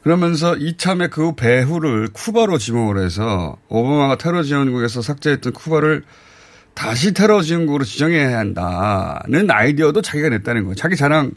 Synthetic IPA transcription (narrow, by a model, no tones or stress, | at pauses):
kɯɾʌmjʌns̬ʰʌit͡ɕʰame̞kɯpe̞ɸuɾɯɭkʰubaɾot͡ɕimoŋɯɾɦe̞̰s̬ʰʌ̰ʌbamaɡatʰe̞ɾʌd͡ʑiɯnɡuɡe̞s̬ʰʌsʰak̚t͡ɕ͈eɦet͈ʌnkʰubaɾɯɭ | taɕ̬ʰitʰe̞ɾʌd͡ʑiɯnɡuɡɯɾot͡ɕid͡ʑʌŋɦejaɦanda̰nɯna̰jdiʌdot͡ɕaɡiɡane̞t̚t͈anɯnɡʌjt͡ɕaɡit͡ɕaɾaŋ